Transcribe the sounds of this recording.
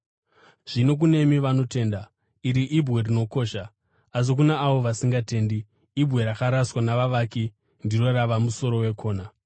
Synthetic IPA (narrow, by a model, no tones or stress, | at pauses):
ʐ̥ino̞k̬une̞miʋano̞te̞ːnda | iɾiʔibɣerino̞ko̞ːʃa | as̬ok̬unaːʋo̞ʋasiŋɡate̞ːndiː | bʱwe̞ɾakaɾaswanaʋaʋaːki | ndiro̞ɾaʋamuso̞ɾo̞we̞kʰo̞ːna